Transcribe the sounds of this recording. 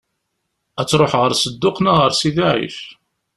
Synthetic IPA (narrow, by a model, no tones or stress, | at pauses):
æt͡sːɾˤoħʁəɾsəd̪ːʊqnaʁəɾsiðaʕḭf